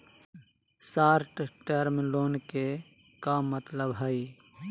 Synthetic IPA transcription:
saːɾʈʈeɾmiloːnke | kamət̪ləbɦəi

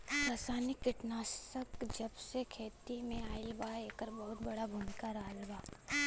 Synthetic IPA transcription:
ɾaːsaːnɪkːɪʈnaːsəkd͡ʒɐbsekʰeːt̪imẽaːɪlbaːeːkəɾbɐɦʊt̪̚bɐɽabʱʊmɪkaɾaːlbaː

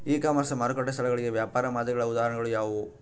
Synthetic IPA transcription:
iːkaːmɐsɐmɐɾɯkːɐʈːɐsɐlɐɣɐɭɯjɐʋjaːpaːɾɐmaːðɯɣɐɭɐʊðaːɾɐnɐŋɡɐɭɯjaːʋo

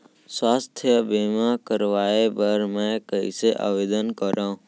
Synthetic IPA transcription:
swaːst̪ʰjəbeːmãkəɾʋaːebəɾmɛ̃ːkəḭseʔa̰ːʋeːd̪ənkəɾãːũ

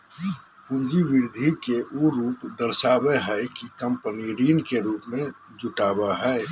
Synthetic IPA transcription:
pũnd͡ʒiʋɪɾd̪ʱikeʔuɾuːpd̪əɾsaːbeɦɛkikə̃mpəniɾiːnkeɾuːpmẽ | d͡ʒʊʈaːbaɦɛː

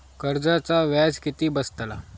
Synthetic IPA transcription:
kəɾd͡zat͡saʋad͡zkit̪iːbəst̪əla̰

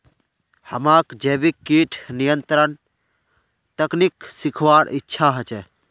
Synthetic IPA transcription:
həmaːkd͡ʒeːbikːiːʈʰnijənt̪ɾən | t̪əkniksikʰʋaːɽɪtːʃʰaɦət͡ʃɛ

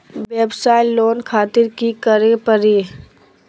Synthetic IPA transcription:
ʋeːbsaːɪlːoːnkʰaːt̪ɪɾkikəɾepəɾi

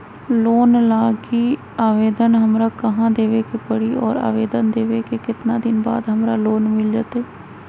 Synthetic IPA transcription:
loːnlaːɡi | aːʋeːd̪ənɦɐmɾakɐɦãd̪eːʋekepəɽiɔːɾa̰ːʋeːd̪ənd̪eːʋekekɪt̪nad̪ɪnba̰ːd̪ɦəmɾaloːnmɪld͡ʒaːt̪eː

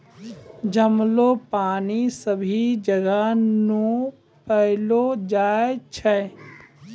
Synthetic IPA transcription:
d͡ʒəmlopaːnisəbʱid͡ʒəɡənũ | pəɦlod͡ʒaːet͡ʃʰɛ

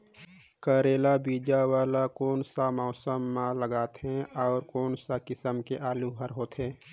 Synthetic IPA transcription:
kəːɾeːlabiːd͡ʒawaːlakoːnsamɔːsəmːãləɡaːt̪ɦɛ̃ɔːɾkoːnsakɪsəmkeʔaːluɦəɾɦoːt̪ɦɛ̃ː

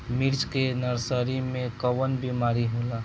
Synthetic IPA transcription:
miɾd͡ʒkenəɾsəɾimẽkəwənbimaːɾiɦolaː

